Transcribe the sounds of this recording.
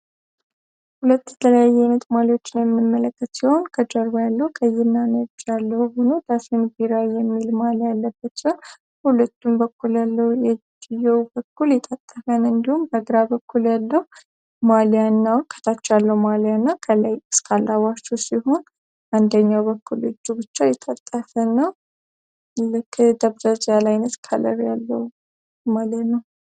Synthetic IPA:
hulət̪ːjɛt̪ʰələjajːɛnət̪ʼmaliwo̞t͡ʃːɪnjɛmːɨmːələkːət̪siho̞nkʰəd͡ʒəɾbajalːəhwkʰʼəjɪnːanəd͡ʒalːəhhonod̪asinbiɾajɛmːilmaljalːəbːət̪d͡ʒə | hulət̪ʰːumbəkːuljalːəwjɛd͡ʒjɛwbəkːuljɛt̪ʼət̪ʼːəfənɨnd̪ihumbəɡɾabəkʰːuljalːəhu | maljanːawkʰə̥t̪ʰat͡ʃːɛjalːəwmalijanːakʰəlajɨskʰalawat͡ʃːusiho̞n | ʔand̪əɲːawβəkːulɨd͡ʒːubɨt͡ʃːajɛt̪ʼət̪ʼːəfənːaw | lɨkʰːd̪əβzəzjalajnət̪kʰa̰lə̰ɾjalːəwu | malət̪nəw

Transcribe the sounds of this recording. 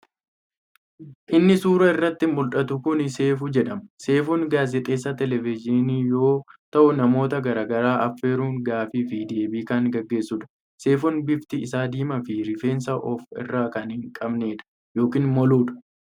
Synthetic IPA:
ʔɪnːɪsuːɾɐɪrːɐt̪ːɪmʊlᶑɐt̪ʊkʊnse̞ːfʊd͡ʒɛᶑɐmɐse̞ːfuŋɡaːzɛt̪ʼe̞ːsːɐt̪ɛlɛvɪd͡ʒɪniːjo̞ːt̪ɐʔʊnɐmo̞ːt̪ɐɡɐɾaːɡɐɾaːʔɐfːeːɾuːŋɡaːfɪfid̪eːbiːkaːŋɡɐɡːe̞ːsːʊːᶑɐ̥ | se̞ːfʊnbɪft̪ɪːɪsaːd̪iːmɐfɪɾɪfe̞ːnsɐʔɔfɪ̰rːaːkɐnhɪŋkʼɐbne̞ːᶑɐ̥ | jo̞ːkiːnmɔluːᶑɐ̥

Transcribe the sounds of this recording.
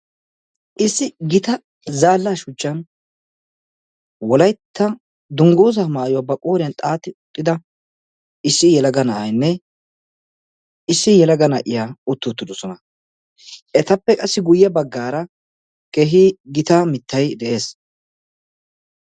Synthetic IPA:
ʔɪsːɪɡɪt̪ɐ | zaːlːaːʃʊt͡ʃʼːɐn | wɔlɐjt̪ʰːɐ | d̪ʊŋɡoːzɐmaːjowaːbɐkʼoːɾɪjɐnt̪ʼaːt̪ɪʊt̪ʼːɪd̪ɐ | ɪsːɪjɛlɐɡɐnɐʔɐjnːɛ | ɪsːɪjɛlɐɡɐnɐʔɪjaʊt̪ːʊt̪ːɪd̪ɔsɔnɐ | ɛt̪ɐpːɛkʼɐsːɪɡʊjːɛbɐɡːaːɾɐ | keɦɪɡɪt̪ɐmɪt̪ʰːɐjd̪ɛʔe̞ːs

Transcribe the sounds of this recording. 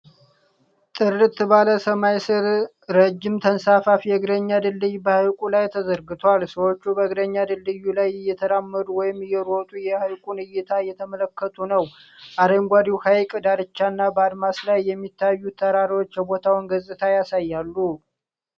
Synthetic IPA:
t̪ʼɨrɨt̪baləsəmajsɨɾ | ɾəd͡ʒːɪmt̪ʰənsafafjɛɡɾəɲːad̪ɨldɨjbəhajkʼulajt̪ʰəzəɾɡɨt̪ʰowalsəwo̞t͡ʃːubəɡɾəɲːad̪ɨlːɨjːulajjːɛt̪ʰəɾamːəd̪uwɔjɪmjɛɾot̪ʼujɛhajkʼunɨjɪt̪ʰajɛt̪ʰəmələkːət̪ʰunəwʔad̪əŋɡʷad̪iwhajkʼd̪aɾɨt͡ʃːanːabəad̪maslajːɛmːit̪ʰːajːut̪ʰːəɾaɾiwo̞t͡ʃːjɛbo̞t̪ʰawnɡəzʼɨt̪ʰajasajːalːu

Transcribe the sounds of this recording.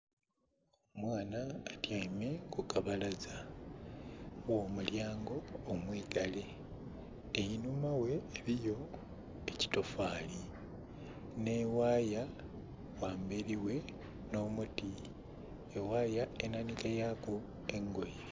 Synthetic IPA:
oomwaːnaːtjaime̞kukaβalaza | wo̞ːmuljaːŋɡo̞ːmwiːɡale̞ | ejinumawe̞ːβijo̞ | eci̥to̞faːli | ne̞waːja | waːmbeɾiwe̞ | no̞ːmuti | ewaːjae̞nanikajako | e̞ŋɡo̞je

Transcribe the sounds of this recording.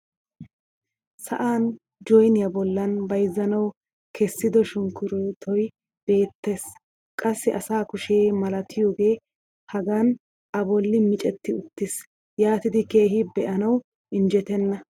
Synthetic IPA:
sɐʔaːn | d͡ʒɔjnɪjɐbɔlːɐnbɐjzːɐnɐw | kʰɛsːɪd̪ɔʃʊŋkːʊɾɔjt̪ʰɔj | b̥e̞ːt̪ːe̞s | kʼɐsːɪʔɐsaːkʊʃeːmɐlɐt̪ʰɪjo̞ːɡe̞ː | hɐɡɐn | ʔɐbɔlːɪmɪt͡ʃʼɛt̪ːɪʊt̪ːɪs | jaːt̪ɪd̪ɪkeːɦɪbɛʔɐnɐw | ʔɪnd͡ʒɛt̪ɛnːɐ

